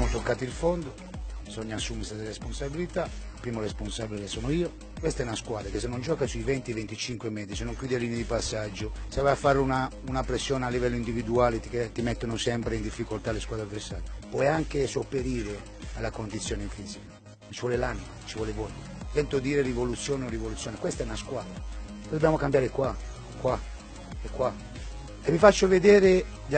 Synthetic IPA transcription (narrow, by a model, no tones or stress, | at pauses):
mot̪okːaːt̪iilfɔnd̪o | bizɔɲːaːsːuːmest̪ɛseɾesponsabilit̪a | pːɾiːmoresponsabilelesɔːnoiːo | kwest̪aɛnaskwaːd̪ɾakesːenːond͡ʒɔːkasuivɛnt̪ivent̪it͡ʃiŋkwemɛːd̪zis̬enːoŋkjuːd̪eliːned̪ipasːad͡ʒːosavajafːaɾːuna | unapɾesːjɔːnealːivɛlːoind̪ivid̪uaːlet̪iket̪imɛt̪ːonosɛmpɾeind̪ifːikolt̪aleskwaːd̪ɾaveɾsa̰ːɾpwɔjaŋkesopeɾiːɾe | alːakond̪it̪sːjoːnefiːzika | nt͡ʃivwɔlelaːnimat͡ʃivwɔːlevɔj | t̪ɛnt̪od̪iːɾerivolut̪sːjoːneorivolut̪sjoːnekwɛst̪aɛnaskwaːd̪ɾa | d̪obːjamokambjaːɾekwa | kwa | ɛkːwa | evifat͡ʃːoved̪ɛːɾe